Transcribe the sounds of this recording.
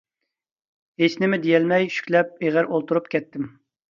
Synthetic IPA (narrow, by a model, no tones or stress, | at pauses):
ɦesnɪmɪd̪ejɛlmɛjʃy̥kʲlɛp̚eʁæɾʔolˠt̪uɾupkʲʰɛt̪ːɪm